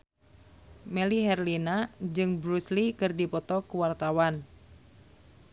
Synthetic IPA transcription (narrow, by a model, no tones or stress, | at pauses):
meliɦɛrlinad͡ʒɨŋbɾuslikɨrdipɔt̪ɔkuwart̪awan